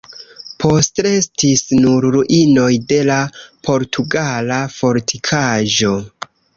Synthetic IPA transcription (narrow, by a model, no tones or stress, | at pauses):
pʰo̞ste̞stisnuɾɾuʔino̞jde̞lapʰo̞ɾtʰuɡalafo̞ɾtʰikʰaʒo̞